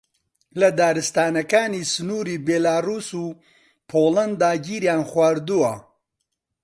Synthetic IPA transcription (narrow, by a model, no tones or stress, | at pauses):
lɐd̪aːɾɨst̪aːnɐkaːniːsɨnuːɾiːbeːlaːruːsuː | pʰoːlɐnd̪aːɡiːɾjaːnxwaːɾd̪uwɐ